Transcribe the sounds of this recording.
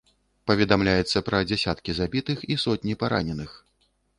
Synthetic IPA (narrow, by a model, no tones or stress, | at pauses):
pɐvʲɛd̪amlʲajɛt̪sːɐpɾɐd͡zʲɛsʲat̪kʲizabʲit̪ɨxisɔt̪ʲnʲipaɾa̰nʲɛnɨx